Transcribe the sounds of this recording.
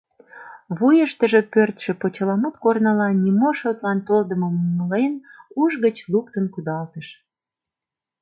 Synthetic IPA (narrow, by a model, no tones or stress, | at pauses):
βujəʃt̪əʒe̽pørt̪ʃĕpot͡ɕəlɑmɑt̪kornɑlɑnʲimoʃot̪lɑnt̪old̪əmomuməlenuʒɣət͡ɕluk̚t̪ənkud̪ɑlt̪əʃ